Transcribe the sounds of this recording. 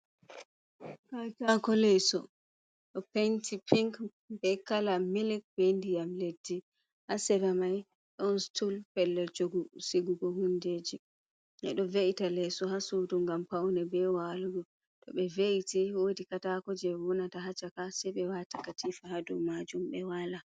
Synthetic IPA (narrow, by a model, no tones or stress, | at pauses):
katakɔlɛsɔ̰ | ɗɔpentipiŋk | bɛkalamilɛk̚bendijamledːi | hasɛɾamaj | ɗɔnstulpɛlːɛld͡ʒoɡusiɡuɡɔhundeːd͡ʒi | ʔɛ̰ɗɔveʔitalɛsɔhasuduŋɡampawnɛbɛwaluɡɔ | tɔ̰ɓɛveʔitiwodikatakɔd͡ʒɛwɔnataɦat͡ʃakasɛɓɛwatḁkatʰifahadɔmad͡ʒumɓɛwala